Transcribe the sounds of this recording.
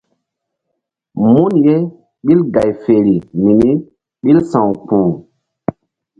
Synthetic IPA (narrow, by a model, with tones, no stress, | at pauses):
mu˦nje˦ | ɓi˦lɡa˨jfe˨ɾi˨mi˨ni˦ | ɓi˦lsã˨wk͡pũː˨